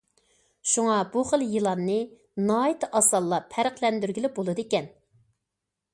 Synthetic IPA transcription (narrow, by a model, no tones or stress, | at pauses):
ʃuŋɑbuχəlˠjɨlˠɑnːɨ | nɑːjit̪ʰɨʔɑsɑlˠːɑpʰæɾəqlɛnd̪yɾɡʲilɪp̚bolˠɨd̪ekʲɛn